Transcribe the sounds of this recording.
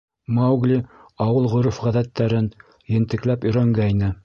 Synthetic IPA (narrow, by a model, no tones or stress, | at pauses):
mɑwɡlʲiɑwɤlˠʁŏɾufʁæðæt̪ːæɾɘn | jɘ̆nt̪ɘ̆klæpɵ̆jɾæŋɡæjnɘ